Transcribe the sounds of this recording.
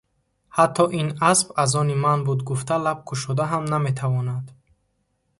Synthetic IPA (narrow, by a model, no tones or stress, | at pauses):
hat̪ʰːɔʔinasbazɔnimanbud̪ɡuft̪ʰalab̚kʰuʃɔd̪aɦamnamet̪ʰavɔnad̪